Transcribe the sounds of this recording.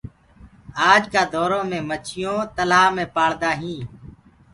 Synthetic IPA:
aːd͡ʒkaːd̪oːɾõːmẽːmət͡ʃʰɪjõːt̪əlaːmẽːpaːɽd̪aːɦĩː

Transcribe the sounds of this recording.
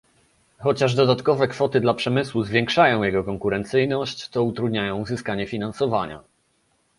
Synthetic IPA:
xɔt͡ɕaʐd̪ɔd̪at̪kɔvɛkfɔt̪ɘd̪lapʂɛmɘswuzvʲjɛ̃ŋkʂajɔ̃w̃jɛɡɔkɔŋkuɾɛnt̪sɘjnɔɕt͡ɕ̪ɔut̪ɾud̪ɲajɔ̃w̃zɘskaɲɛfʲinansɔvaɲa̰

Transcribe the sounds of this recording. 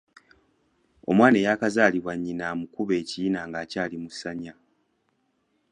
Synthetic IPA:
o̞̰mwaːnejaːkazaːliβwaɲːinaːmukuβe̞ːcijinaːŋɡaːcaːlimusːaɲa

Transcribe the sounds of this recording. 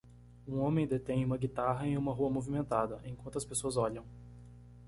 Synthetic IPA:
ũõmẽj̃d̪et̪ẽj̃ũmɐɡit̪aɦɐẽũmɐɦuɐmovimẽnt̪ad̪ɐʔẽkwɐ̃t̪ʊɐspesoɐzɔʎɐ̃w̃

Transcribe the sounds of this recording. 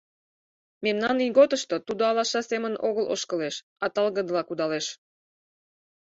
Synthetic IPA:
memnɑnijɣot̪əʃt̪ot̪ud̪oɑlɑʃɑseməno̰ɣəlo̰ʃkə̆leʃ | ɑt̪ɑlɣə̆d̪lɑkud̪ɑleʃ

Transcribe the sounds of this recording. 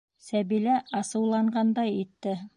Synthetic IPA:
sæβilæɑsɤ̆wlˠɑɴɢɑnd̪ɑjit̪ːɘ

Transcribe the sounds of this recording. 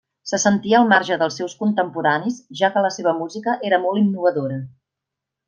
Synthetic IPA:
səsənt̪iəːlˠmaɾʒəðəlˠsːɛwskunt̪əmpuɾanisʒakələseβ̞əmuzikəʔeɾəmɔlˠinːuβ̞əðoɾə

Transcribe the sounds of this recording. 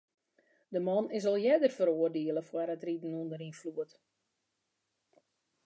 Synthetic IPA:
dəmɔnɪs̬ɔlˠjɛdərfəɾoːərdiəlˠəfwɛɾətridənundəɾinfluət

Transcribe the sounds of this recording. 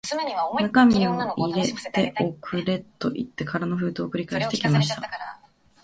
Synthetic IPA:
nakamʲioiɾe̞t̪e̞ʔokʰɯ̟ɾe̞t̪ːo̞ʔit̪ːe̞kʰaɾanoɸɯ̟ːt̪oːkɯ̟ɾʲikaeɕi̥t̪e̞ikʲimaɕi̥t̪a̰

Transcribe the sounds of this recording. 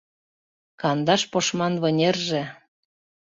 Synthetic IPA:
kɑnd̪ɑʃpoʃmɑnβɤ̆nʲerʒĕ

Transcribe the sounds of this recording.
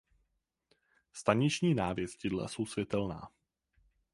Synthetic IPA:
st̪aɲɪt͡ʃɲiːnaːvjɛscɪdla̰so̞wsvʲjɛt̪ɛlna̰ː

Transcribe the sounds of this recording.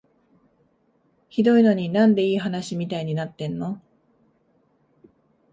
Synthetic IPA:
çid̪o̞ino̞ɲ̟inãnd̪e̞iːɦanaɕimʲit̪aiɲ̟inat̪ːẽ̞nːo̞

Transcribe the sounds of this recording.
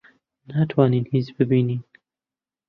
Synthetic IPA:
naːt̪ʰwaːniːnhiːzbɨbiːniːn

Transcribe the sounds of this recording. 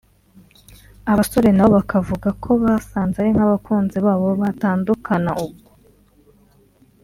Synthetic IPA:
aβaso̞ɾe̞naβo̞βakʰavuɡakʰo̞βasaːnzaaɾiŋ̥haβakuːnziβaːβo̞βataːndukʰanaʔub̚ɡo

